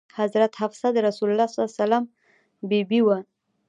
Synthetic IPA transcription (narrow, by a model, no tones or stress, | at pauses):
hazɾat̪hafsad̪əɾasulalːɑssalam | bibiwa